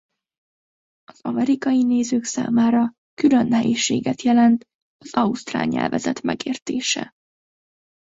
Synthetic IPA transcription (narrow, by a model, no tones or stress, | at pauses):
ɒz̥ɒmɛɾikɒjineːzøːksa̰ːmaːɾɒ | kylønhɛjiʃḛːɡɛt̪jɛlɛnt̪ | ɒz̥ɒust̪ra̰ːɲɛ̰lvɛzɛt̪mɛɡeːrt̪eːʃɛ̰